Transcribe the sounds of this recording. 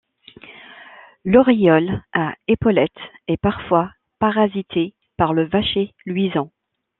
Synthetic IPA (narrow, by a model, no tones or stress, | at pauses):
lɔʁijɔlaepɔlɛt̪ɛpaʁfwa | paʁazit̪ʰe | paʁləvaʃelɥizɑ̃